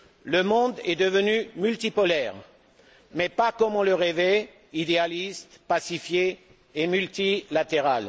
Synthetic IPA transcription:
ləmɔ̃d̪ɛd̪əvənymylt̪ipɔlɛʁ | mɛpakɔmɔ̃ləʁevɛ | id̪ealist̪pasifje | emylt̪ilat̪eʁal

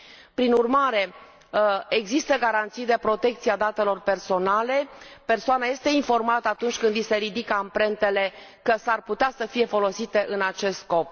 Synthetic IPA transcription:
pɾinurmaɾe̞ | eɡzist̪əɡaɾant̪sijd̪epɾo̞t̪e̞k̚t̪siad̪at̪e̞lo̞rpe̞rso̞nale̞pe̞rsoanaje̞st̪e̞info̞rmat̪əat̪unt͡ʃʲkɨnd̪ise̞ɾid̪ikəampɾe̞nt̪e̞le̞ | kəsarput̪easəfije̞fo̞lo̞sit̪e̞ʔɨnat͡ʃe̞st̪sko̞p

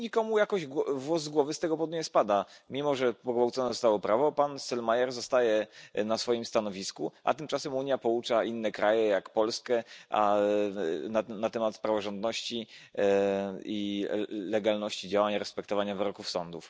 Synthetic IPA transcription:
ɲikɔmujakɔʑɡɔvwɔzɡwɔvɘst̪ɛɡɔpɔd̪uɲɛspad̪amʲimɔʐɛpɔɡvawt̪sɔnɛzɔst̪awɔpɾʔavɔpansɛlmajɛɾzɔst̪ajɛnasfɔjimst̪anɔvʲiskuʔa̰t̪ɘmt͡ʂasɛmuɲjapɔut͡ʂainːɛkɾajɛjakpɔlskɛʔa̰ | nanat̪ɛmat̪pɾavɔʐɔnd̪nɔɕt͡ɕi | ilɛɡalnɔɕt͡ɕid͡ʑawaɲɾɛspɛkt̪ɔvaɲavɘɾɔkufsɔnd̪uf

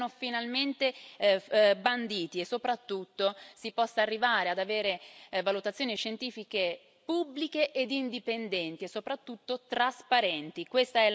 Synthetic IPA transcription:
nofinalment̪e | band̪iːt̪iesːopɾat̪ːut̪ːosipɔsːaːrːivaːɾead̪aveːɾevalut̪at̪sjoːniʃent̪iːfike | pubːlikeʔed̪ind̪ipend̪ɛnt̪iesːopɾat̪ːut̪ːot̪ɾaspaɾɛnt̪ikwest̪aɛ

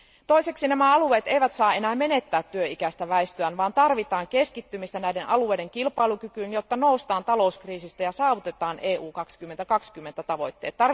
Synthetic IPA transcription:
t̪o̞ise̞ksinæmæɑlue̞ːt̪ejʋæt̪sɑːe̞næːme̞ne̞t̪ːæːt̪ːyøikæst̪æʋæest̪øænʋɑːnt̪ɑrʋit̪ɑːŋke̞skit̪ːymist̪ænæjdenʔɑlue̞jde̞ŋkilpɑilukykyːnjot̪ːɑno̞ust̪ɑːnt̪ɑlo̞uskriːsist̪æjɑsɑːʋut̪e̞t̪ɑːnʔeːʔuːkɑkskymːent̪ækɑkskymːe̞nt̪æt̪ɑʋo̞jt̪ːeːt̪ːɑr

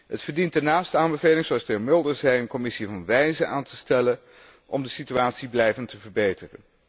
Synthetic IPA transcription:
ɦətfəɹdintənaːstəaːnbəvejlɪŋzoɑstɪmɪlˠdəɹzɛjənkɔmɪsivɑnʋɛjzəʔaːntəstɛlən | ʔɔmdəsityaːtsiblɛjvəntəvəɹbejtərən

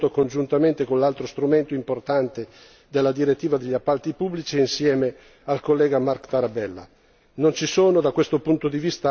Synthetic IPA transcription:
t̪okond͡ʒunt̪ament̪ekonlalt̪ɾost̪ɾument̪oimport̪ant̪e | d̪elːad̪iɾet̪ːiːvad̪eʎːiapːalt̪ipubːlit͡ʃiinsjɛːme | alkolːɛːɡamarkt̪aɾabɛlːa̰ | nont͡ʃisoːnod̪akːwest̪opunt̪od̪ivist̪a

